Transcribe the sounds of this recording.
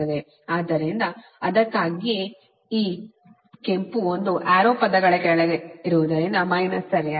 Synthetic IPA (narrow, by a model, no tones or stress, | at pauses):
ɐd̪e | aːd̪ɐɾɾind̪ɐ | ɐd̪ɐkːaːɡi | iː | ke̞mpuond̪uʔaːɾoːpɐd̪ɐɡɐɭekɛːɐɭɡeiɾuʋud̪ɐɾind̪ɐmɐjnɐsɐɾa